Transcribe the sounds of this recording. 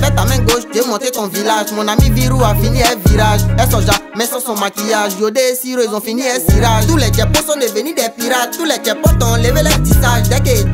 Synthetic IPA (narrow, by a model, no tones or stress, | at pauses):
bɛt̪amɛ̃ɡoʃd͡ʒemɔ̃tetɔ̃vilaʒmɔ̃nãmĩviɾuafinĩɛviɾaʒɛsɔd͡ʒamɛ̃sɔ̃sɔ̃mãkijaʒodesiɾoezɔ̃fĩnĩɛsiɾaʒt̪ulɛd͡ʒɛposɔ̃nebenĩɖɛpiɾat̪ulɛd͡ʒɛpɔt̪ɔ̃lebelɛdisaʒdɛke